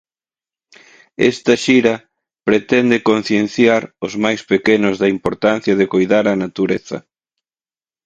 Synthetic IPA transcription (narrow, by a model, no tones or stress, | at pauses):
ɛ̰st̪ɐʃiɾɐ | pɾet̪ɛnd̪ɪkon̟θjen̟θjaɾʊzmajspekenʊzðɐimpoɾt̪an̟θjɐðɪkojðaɾɐnat̪uɾeθɐ̰